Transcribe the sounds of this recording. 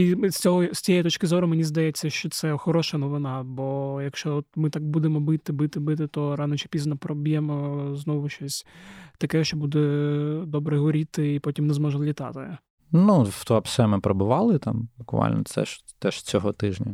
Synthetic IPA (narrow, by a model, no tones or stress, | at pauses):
isʲt͡sʲɔɦɔsʲt͡sʲijɛjit̪ɔt͡ʃʲkɪzɔɾʊmenʲizd̪ɐjɛt͡sʲːɐʃt͡ʃɔt̪sɛxɔɾɔʃɐnɔʋɪnɑbɔjɐkʃt͡ʃɔɔt̪mɪt̪ɑk̚bud̪emɔbɪt̪ɪbɪt̪ɪbɪt̪̬ɪt̪ɔɾɑnɔt͡ʃɪ̥pʲiznɐpɾɔbʲijɛmɔznɔʋʊʃt͡ʃɔsʲt̪ɐkɛʃt͡ʃɔbud̪ɛd̪ɔbɾɛɦɔɾʲit̪ɪːpɔtʲimnɛzmɔʒɐmlʲit̪ɑ̰t̪ɪ | nuft̪ɔɐpsɛmɪpɾɐbʊʋɑlˠɪt̪ɑ̰mbʊkʋɑ̰lʲnɔ̰t̪sɛ̰ʃ | t̪ɛʃt͡sʲɔɦɔt̪ɪʒnʲɐ